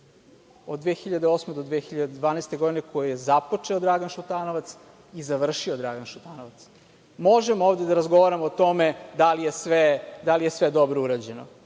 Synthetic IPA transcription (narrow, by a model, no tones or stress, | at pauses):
od̪ːʋexiʎad̪eo̞smed̪od̪ʋeːxiʎad̪ed̪vʋaːnaːst̪eɡo̞d̪inekojijezapot͡ʂeod̪ɾaɡanʃut̪aːnoʋat̪s | izaʋr̩ʃiod̪ɾaɡanʃut̪aːnoʋat̪s | moʒemooːvd̪ed̪aɾazɡo̞ʋaɾamoːt̪o̞med̪alijesʋed̪alijesʋed̪o̞bɾouɾad͡ʑeno̰